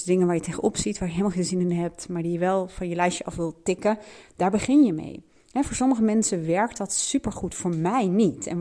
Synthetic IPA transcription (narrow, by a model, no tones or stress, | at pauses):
dɪŋənʋaːɹjəteχənʔɔpsitʋaːɹjəɦelmalˠχeːnˠzɪnɪnɦɛp̚tmaːɹdijəʋɛlˠfɑnjəlɛjʃəʔɑfʋɪlˠtɪkəd̥aːɹbəχɪnjəmḛj | ɦɛvʊːɹsɔməχəmɛnsəʋɛɹk̚tɑtsypəɹχutfʊːɹmɛjnitɛ̰n